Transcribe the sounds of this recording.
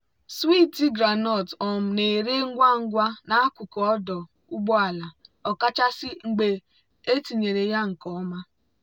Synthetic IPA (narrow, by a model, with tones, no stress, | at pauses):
swi˦ti˦ɡɾa˨nɔ˦˨tɔ˨m̩˨ne˨ɾe˦ŋ̩˦ɡʷa˦ŋ̩˦ɡʷa˦na˨a˦kʷu˨kɔ˨ɔ˦dɔ˨ | u˦ɡ͡bɔ˦a˨la˨ɔ˨ka˦t͡ʃa˦sɪ˦ŋ̩˨ɡ͡be˨ | e˦ti˨ɲe˨ɾe˨ja˦ŋ̩˨kɔ˦ma˦